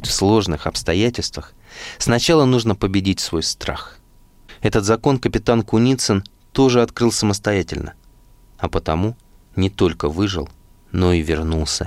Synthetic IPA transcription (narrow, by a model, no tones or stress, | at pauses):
tʲfslˠo̞ʐnɨxɐpst̪ɐjætʲɪlʲst̪vəx | snɐt͡ɕalˠənuʐnəpəbʲɪdʲitʲsvo̞jst̪ɾa̰x | ɛt̪ət̪zɐko̞nkəpʲɪt̪ankʊnʲit̪sən | t̪o̞ʐɨɐt̪kɾɨlˠsəməst̪ɐjætʲɪ̰lʲnʔə̰ | ɐpət̪ɐmu | nʲɪt̪o̞lʲkəvɨʐɨ̰lˠ | no̞ivʲɪrnulˠsʲə̰